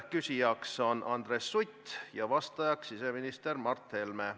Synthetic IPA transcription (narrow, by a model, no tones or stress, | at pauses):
kysʲijɑkso̞nʔɑnd̪̥ɾesːujt̪ːjɑvɑst̪ɑjɑksise̞minist̪e̞rmɑrt̪he̞lme